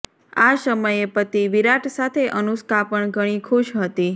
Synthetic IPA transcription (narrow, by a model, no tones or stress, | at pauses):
asəməjepət̪iʋiɾaʈsat̪ʰeʔənuskapəɳɡʱəɽ̃ikʰuʃɦət̪i